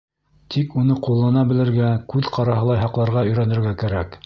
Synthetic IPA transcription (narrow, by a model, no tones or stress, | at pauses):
t̪ʰikunɤqulˠːɑnɑbɘ̆lɘ̆ɾɡækʉðqɑɾɑɦɤ̆lˠɑjɦɑqlˠɑɾʁɑɵ̆jɾænɘ̆ɾɡækæɾæk